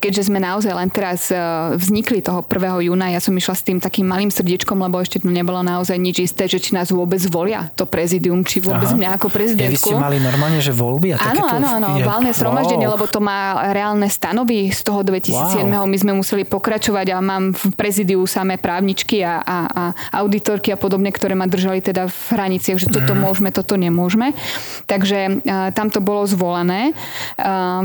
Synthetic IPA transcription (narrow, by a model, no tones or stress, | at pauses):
kɛɟʒɛzmɛnaɔzajlɛnt̪ɛɾazvzɲiklit̪ɔɦɔpr̩ʋɛːɦɔjuːnajasɔmiʃlast̪iːmt̪akiːmːaliːmsr̩ɟit͡ʃkɔmlɛbɔɛʃcɛt̪ɔɲɛbɔlɔnaɔzajɲid͡ʒist̪ɛːʒɛt͡ʃinaːzʋʊɔbɛd͡zʋɔlɪa̰t̪ɔpɾɛziːd̪iumt͡ʃiʋʊɔbɛd͡zmɲaːkɔpɾɛzid̪ɛnkuumalinɔɾmaːlɲɛʒɛʋɔlbiat̪aanɛɔanɔanɔalnɛzɦɾɔmaʒɟɛɲɪɛlɛbɔt̪ɔmaːɾɛaːlnɛst̪anɔʋist̪ɔɦɔd̪ʋɛcisiːd͡zjɛd̪mɛɦɔmizmɛmusɛlipɔkɾat͡ʃɔʋaɟamaːmfpɾɛziːd̪iusamɛːpɾaːʊɲit͡ʃkiaʔaaʔaʊd̪it̪ɔɾkiapɔd̪ɔbɲɛkt̪ɔɾɛːmad̪r̩ʒalit̪ɛd̪avɦɾaɲit͡sɪaɣʒɛt̪ɔt̪ɔmʊɔʒmɛt̪ɔt̪ɔɲɛmʊɔʒmɛt̪aɡʒɛt̪amt̪ɔbɔlɔzʋɔlanɛː